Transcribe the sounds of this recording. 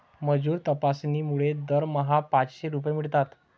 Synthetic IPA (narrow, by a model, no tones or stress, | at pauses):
məd͡zuːɾt̪əpasniːmuɭed̪əɾməɦapãt͡sɕeɾup̬jemiɭt̪at̪